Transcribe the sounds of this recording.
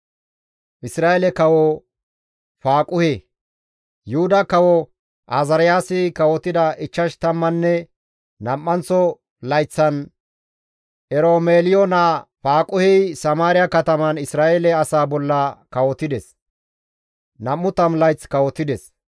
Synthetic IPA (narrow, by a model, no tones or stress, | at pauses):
ʔɪsɾaːjelɛkɐwɔ | faːkʼʊheː | jʊhʊd̪ɐkɐwɔ | ʔazɐɾɪjaːsɪkɐwɔt̪ːɪd̪ɐʔɪt͡ʃːɐʃt̪ɐmːɐnːɛ | nɐmːɐnt͡sːɔ | lɐjt͡sːɐn | ʔɛɾoːmeːlɪjonafaːkʼʊhɛjsɐmaːɾɪjɐkɐt̪ɐmɐnɪsɾaːeːlɛɐsaːbɔlːɐkɐwɔt̪ɪd̪ɛs | nɐmːʊt̪ɐmlɐjt͡skɐwɔt̪ːɪd̪ɛs